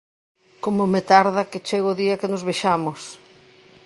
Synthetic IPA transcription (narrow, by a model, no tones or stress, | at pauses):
komʊmɪt̪aɾðɐkɪt͡ʃeɣoːðiɐkɪnʊzβeʃamʊs